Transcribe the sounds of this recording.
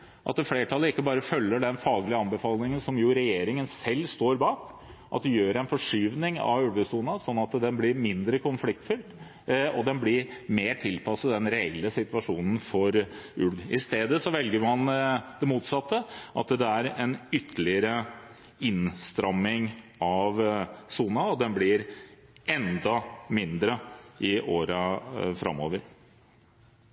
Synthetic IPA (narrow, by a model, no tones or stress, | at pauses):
ʔɑt̪̚d̪ɛfleːʈʰɑlːəɪkːəbɑːɾəfœlːəɖɛnfɑːɡlɪəɑnbəfɑːlnɪŋənsɔmjuːɾɛjeːɾɪŋənsɛlːst̪oːɾbɑːkʔɑ̰t̪̚d̪ɛjøːɾɛɪnfɔʂyːʋnɪŋɑ̰ʉlɡ̪əsuːnəsɔnːɑt̪d̪ɛnblɪɾmɪnd̪ɾəkʰʊnflɪk̚t̪fʏlt̪ | ɔd̪ɛnblɪɾmeːʈʰɪlpʰɑsəd̪ɛnɾɛɛlːəsɪt̪ʋɑʂuːnən̩fɔɾʉlʋɪst̪eːd̪əsɔʋɛlɡəɾmɑnd̪ɛmuːt̪sɑt̪ːəʔɑ̰t̪d̪ɛæɾɛnʏt̪ʰːəlɪəɾə | ɪnst̪ɾɑmːɪŋɑʋsuːnɑɔd̪ɛnblɪɾ | ɛnd̪ɑmɪnd̪ɾəʔɪʔoːɾəfɾɑ̰mo̰ːʋəɾ